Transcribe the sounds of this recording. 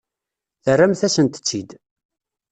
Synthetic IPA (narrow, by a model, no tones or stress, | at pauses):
θərːæmθæsənt̪ə̥t͡sːid̪